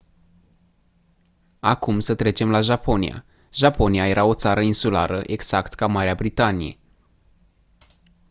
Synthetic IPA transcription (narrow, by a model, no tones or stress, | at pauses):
akumsət̪ɾe̞t͡ʃe̞mlaʒapʰo̞nḭja̰ | ʒapo̞niaje̞ɾʔao̞t̪saɾəinsula̰ɾəʔe̞ɡz̥akt̪kamaɾeabɾit̪anije̞̰